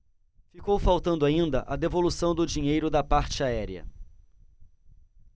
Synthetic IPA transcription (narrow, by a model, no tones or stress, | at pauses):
fikowfawt̪ɐ̃nd̪ʊaĩnd̪ɐʔɐd̪evolusɐ̃w̃d̪ʊd͡ʒiɲejɾʊd̪ɐpaɾt͡ʃɪaɛɾiɐ̰